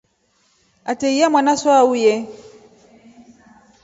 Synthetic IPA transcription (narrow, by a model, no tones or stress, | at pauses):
atɛiamwanasɔaujɛ